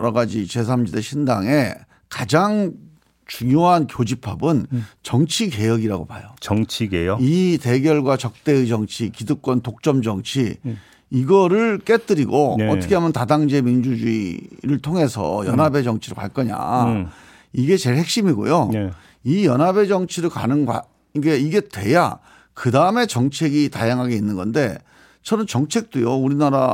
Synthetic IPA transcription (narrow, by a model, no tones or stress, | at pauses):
ʌɾʌɡad͡ʑit͡ɕe̞s̬ʰamd͡ʑideɕʰindaŋe̞ | kad͡ʑaŋ | t͡ɕuŋjoɦankjod͡ʑipʰabɯnt͡ɕʌŋt͡ɕʰike̞jʌɡiɾaɡopajot͡ɕʌŋt͡ɕʰiɡejite̞ɡjʌɭɡwat͡ɕʌk̚t͈e̞ɯid͡ʑʌŋt͡ɕʰikidɯk͈wʌntok̚t͡ɕ͈ʌmd͡ʑʌŋt͡ɕʰi | iɡʌɾɯɭk͈e̞t͈ɯɾiɡoʌtʰʌkʰeamjʌntadaŋd͡ʑe̞mind͡ʑud͡ʑuḭɾɯɭtʰoŋe̞sʰʌ̰jʌnɦabe̞d͡ʑʌŋt͡ɕʰiɾɯɭka̰ɭk͈ʌɲa̰ | iɡe̞t͡ɕe̞ɭhe̞k̚ɕ͈imiɡo̰jo | ijʌnɦabe̞d͡ʑʌŋt͡ɕʰiɾɯɭka̰nɯnɡwa̰ | iɡeiɡe̞twe̞ja̰ | kɯdaɯme̞t͡ɕʌŋt͡ɕʰe̞ɡitajaŋɦaɡeinːɯnɡʌnde̞ | t͡ɕʰʌnɯnt͡ɕʌŋt͡ɕʰe̞k̚t͈ojouɾinaɾa